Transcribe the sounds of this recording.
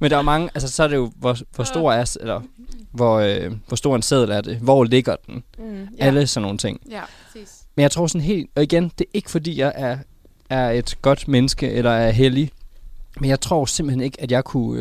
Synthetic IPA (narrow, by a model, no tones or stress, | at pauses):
mend̥ɑ̈æɐmɑ̈ŋəʔæls̬əsɒ̽æɐɾ̥e̝jo̝ʋɒʋɒsd̥o̝ɐ̰æɐselɐʋɒøʋɒsd̥o̝ɐenseðˠl̩æɐd̥e̝ʋɒːle̝ɡ̥ɐd̥enæləsɒ̽nːo̝ːn̩t͡sʰe̝ŋ̰ | menjɑ̈ɪt͡sʰʁo̝̰ːsɒ̽nɦe̝̰ːld̥ɒ̽iɡ̥end̥e̝ɐʔe̝ɡ̥ə̥fɒ̽d̥ḭːjɑ̈ɪʔæɐ | æɐe̝d̥ɡ̥ɒ̽d̥menəsɡ̥əʔelɐæɐɦeli | menjɑ̈ɪt͡sʰʁo̝̰ːsemb̥l̩hene̝ɡ̥æd̥jɑ̈ɪkʰu